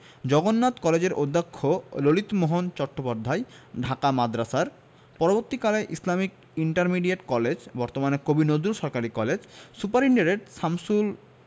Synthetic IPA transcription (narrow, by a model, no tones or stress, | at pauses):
d͡ʑɔɡonːat̪kɔled͡ʑeɾʔod̪ʱːakʰːololit̪moɦont͡ɕɔʈːopaɾd̪ʱːaeɖʱakamad̪ɾasaɾ | pɔɾoboɾt̪ikaleʔislamik̚ | iɳʈaɾmiɖiaʈkɔled͡ʑbɔɾt̪omanekobinod̪uɾʃɔɾkaɾikɔled͡ʑsupaɾiɳɖaɾeʈsamsul